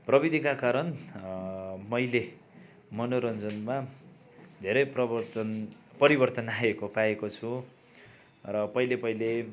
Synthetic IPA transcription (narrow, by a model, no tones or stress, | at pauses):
prʌbid̪ʱikakaɾʌn | mʌjle | mʌnoɾʌnd͡zʌnma | d̪ʱeɾʌjprʌ | pʌɾibʌrt̪ʌnaekopaekot͡sʰu | rʌpʌilepʌile